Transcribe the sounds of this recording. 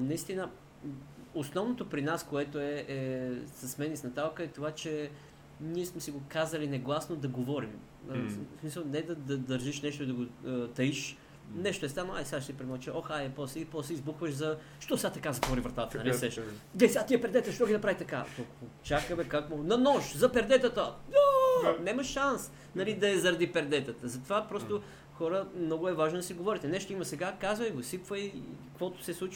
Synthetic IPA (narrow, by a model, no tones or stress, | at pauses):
nɐist̪inə | osnɔvnot̪opɾinaskoɛt̪oɛɛsɐsmɛnisnɐt̪alˠkəɛt̪ovat͡ʃɛ | niɛsmɛsiɡokazəlinɛɡlˠasnod̪ɐɡovɔɾim | smisəlˠnɛd̪ɐd̪ɐd̪ɐɾʒiʃnɛʃt̪oid̪ɐɡot̪ɐiʃ | nɛʃt̪oɛst̪anoaisʲad̪ʃt̪ipɾɛmɔt͡ʃɛʔoxajɛpɔsɛipɔsɛizbuxvəʃzɐ | ʃt̪ɔsʲat̪ɐkazɐt̪vɔɾivɾɐt̪at̪ənɐlissɛʃd̪ɛsʲat̪iɛpɛɾd̪ɛt̪əʃt̪ɔɡʲinɐpɾavit̪ɐka̰t̪okot͡ʃakəmɛkakmonɐnɔʃzɐpɛɾd̪ɛt̪ət̪əd̪anɛmɐʃːans | nɐlid̪ɐɛzɐɾɐd̪ipɛɾd̪ɛt̪ət̪əzɐt̪ovapɾɔst̪o | xɔɾəmnɔɡʊɛvaʒnod̪ɐsiɡovɔɾit̪ɛnɛʃt̪oimɐsɛɡakazvəjɡosipvəikkvɔt̪o̥sɛslˠut͡ʃ